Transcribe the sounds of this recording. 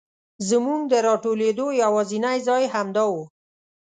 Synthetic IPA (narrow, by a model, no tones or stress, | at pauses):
zəmuŋɡ̚d̪əɾɑʈoled̪ojawɑzinajzɑjɦamd̪ɑwu